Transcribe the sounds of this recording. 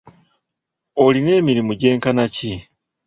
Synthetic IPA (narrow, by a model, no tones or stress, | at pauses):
oline̞ːmiɾimuɟe̞ːŋkanaci